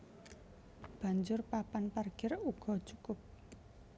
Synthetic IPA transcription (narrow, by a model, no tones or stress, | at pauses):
b̥a̤ɲd͡ʒʊrpapanparɡ̥ɪruɡ̥ɔ̤̥t͡ʃukʊp̚